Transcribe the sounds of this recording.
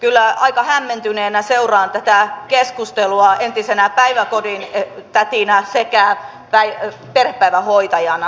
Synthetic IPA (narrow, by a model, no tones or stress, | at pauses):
kylːæɑikɑhæmːent̪yneːnæseurɑːnt̪æt̪ækeskust̪eluɑent̪isenæpæiʋækodint̪æt̪inæsekæ | pæi | perhe̥pːæiʋæhoit̪ɑjɑnɑ